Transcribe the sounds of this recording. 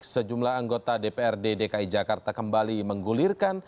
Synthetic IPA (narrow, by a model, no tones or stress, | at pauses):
səd͡ʒumlahaŋɡot̪adepeɛrdedekaid͡ʒakart̪akəmbaliməŋɡulirkan